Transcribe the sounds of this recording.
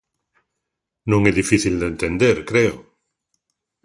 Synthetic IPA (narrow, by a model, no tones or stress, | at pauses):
nõŋeðifiθild̪ẽnt̪end̪eɾkɾeo